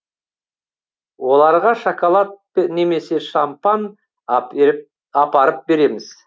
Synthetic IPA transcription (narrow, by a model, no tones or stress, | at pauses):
wo̞lˠɑɾʁɑʃokolˠat̪̚ne̞me̞se̞ʃampɑn | ɑpɑɾəp̚be̞ɾe̞mɪz̥